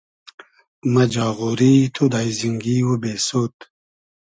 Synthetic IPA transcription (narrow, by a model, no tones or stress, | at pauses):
mɐd͡ʑaːʁoɾit̪ʰod̪ajziŋɡiwubesot̪